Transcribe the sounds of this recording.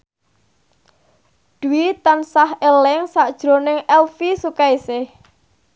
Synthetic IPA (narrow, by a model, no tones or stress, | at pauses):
d̪̥uit̪ansahelɪŋsaʔd̥ʒ̥ɾo̤nɪŋɛlfisukaisɪh